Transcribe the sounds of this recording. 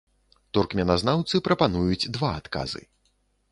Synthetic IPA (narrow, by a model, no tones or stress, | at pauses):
t̪urkmʲɛnaznawt̪sɨpɾɐpanujud͡zʲd̪vaat̪ka̰zɨ̰